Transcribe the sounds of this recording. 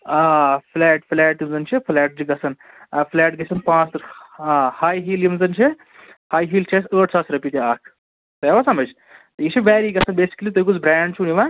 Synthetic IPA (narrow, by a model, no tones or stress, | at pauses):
apʰlɛːʈpʰlɛːʈimd͡zɐnt͡ʃʰipʰlɛːʈ̚d͡ʒiɡɐsʰɐn | pʰlɛːʈɡɐsʰɐnpãːsɾahaːjɦiːljimzɐnt͡ʃʰi | haːjɦiːlt͡ʃʰesəːʈt͡sʰaːsɾɐpiːt̪iaːkʰ | t̪ɐɐʋasɐmɐd͡ʒ | t̪ɐit͡ʃʰiʋɛːɾiɡɐsʰɐnbeːsi̥kɐlit̪ojk̬ut͡sʰbɾɛːɳɖ̚t͡ʃʰuniʋa